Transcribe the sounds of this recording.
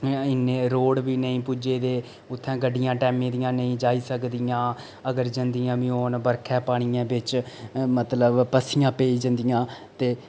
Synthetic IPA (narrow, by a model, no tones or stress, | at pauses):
ɪneːɾoːɽbiːnəĩːpuːd͡ʒeːd̪eː | ʊt̪ʰːɛ̃ːɡəɖɪjãːʈɛːmẽːd̪ɪjãːnəĩːd͡ʒaːiːsəkd̪ɪjãː | əɡəɾd͡ʒənd̪ɪjãːbɪ̃ːoːnbəɾkʰɛ̃ːpaːɽ̃ijãːbɪt͡ʃ | mət̪ləbpəsijãːpeːiːd͡ʒənd̪ɪjãː | t̪eː